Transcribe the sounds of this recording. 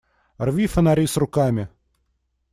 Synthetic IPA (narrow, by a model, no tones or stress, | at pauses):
rvʲifənaɾʲisrʊkamʲɪ